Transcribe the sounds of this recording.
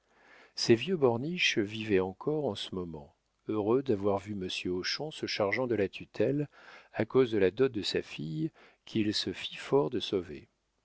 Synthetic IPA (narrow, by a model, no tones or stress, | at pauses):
sɛvjøbɔʁniʃvivɛɑ̃kʰɔʁɑ̃səmɔmɑ̰̃ | øʁød̪avwaʁvyməsjøoʃɔ̃səʃaʁʒɑ̃d̪əlat̪ʰyt̪ʰɛlakozd̪əlad̪ɔt̪̚d̪əsa̰fij | kʰilsəfifɔʁd̪əsovḛ